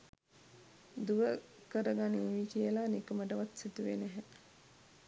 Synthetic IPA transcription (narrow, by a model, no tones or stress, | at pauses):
d̪uʋə | kəɾəɡaniʋikijəlanikəməʈəʋat̪sit̪uʋḛneɦɛ